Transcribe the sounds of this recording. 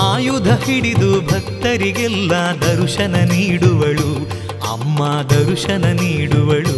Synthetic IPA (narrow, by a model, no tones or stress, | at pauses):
aːjud̪ʱɐɦiɽid̪ubʱɐk̚t̪ɐɾiɡɛlːɐd̪ɐɾuʂɐnɐniːɽuʋɐɭu | ɐ̰mːad̪ɐɾuʂɐnɐniːɽuʋɐɭu